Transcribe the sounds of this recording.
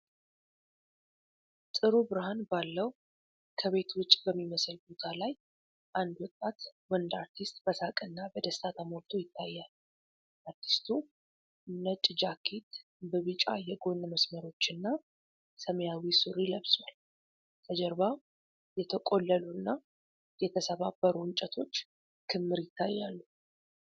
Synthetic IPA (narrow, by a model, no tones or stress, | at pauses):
sʼɨɾubɨɾɨhanbalːəw | kʰəβe̞t̪ʰwʊt͡ʃʼːbəmːiməsəlbo̞t̪ʰalaj | ʔand̪wɔt̪ʼːat̪wənd̪aɾt̪ʰist̪ʼbəsakʼɨnːabəd̪əst̪ʰat̪ʰamoɾt̪ʰojɪt̪ʰːajːal | ʔaɾt̪ʰi̥st̪ʰu | nət͡ʃʼːd͡ʒakʰit̪ | bəβɨt͡ʃʼa̰jɛɡo̞nməsməɾo̞t͡ʃːɨnːa | səmjawisɨɾləβswal | t̪ʰʼəd͡ʒɛɾba | jɛt̪ʰəkʼo̞lːəluɨnːa | jɛt̪ʰəsəβabːəɾuɨnt͡ʃʼət̪ʰo̞t͡ʃː | kʰɨmːɨɾjɪt̪ʰːajːalːu